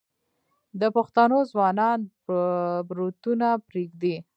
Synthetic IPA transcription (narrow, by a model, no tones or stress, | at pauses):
d̪əpaxt̪anozwɑnɑn | bɾot̪unapɾeɡd̪e